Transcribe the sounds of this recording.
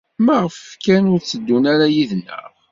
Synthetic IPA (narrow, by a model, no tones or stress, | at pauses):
mæʁəfkænʊɾt͡sːəd̪ːunæɾæjiðnːə̰ʁ